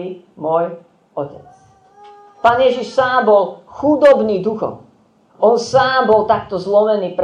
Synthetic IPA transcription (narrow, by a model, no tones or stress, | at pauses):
imʊɔj | ɔcɛ̰t͡s | paːnjɛʒiʃsaːmbɔlxud̪ɔbniːd̪uxɔ̰m | ʔɔnsaːmbɔlt̪akt̪ɔzlɔmɛniːpɾ